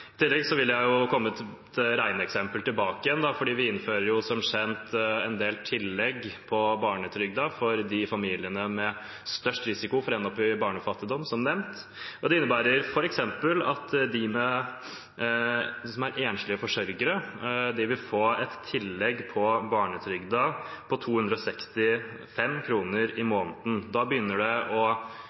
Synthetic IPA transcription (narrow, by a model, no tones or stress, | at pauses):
ɪt̪ʰɪlːɛɡsɔʋɪlːəjæɪjʊkʰɔmːəɛt̪t̪ɾæɪnəɛksɛmpəlt̪ɪlbɑːkəjɛnd̪ɑfɔɖiːʋɪɪnføːɾəɾjʊsɔmɕɛnt̪ɛnd̪eːlt̪ʰɪlːɛɡpʰɔbɑːɳət̪ʰɾʏɡ̚d̪ɑfɔɾd̪ɪfɑmiːlɪənəmɛ | st̪œʂʈɾɪsɪkʊfɔɾɛnɔpːɪbɑːɳəfɑt̪ːɪd̪ɔmsɔmnɛmnt̪ | ʔɔd̪ɛɪnːəbæːɾəɾfɔɾɛksɛmpəlɑt̪d̪ɪmɛ | sɔmæɾʔeːnʂlɪəfɔʂœɾɡəɾəd̪ɪʋɪlfoːɛt̪ʰːɪlːɛɡpʰɔbɑːɳət̪ʰɾʏɡd̪ɑ | pʰɔt̪ʰuːhʉnd̪ɾɔsɛkst̪ɪ | fɛmːkʰɾuːnəɾɪmoːnd̪n̩d̪ɑbəjʏnːəɖɛɔ